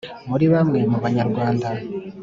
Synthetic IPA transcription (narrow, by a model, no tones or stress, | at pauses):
muɾiβamŋe̞muβaɲaɾɡwaːnda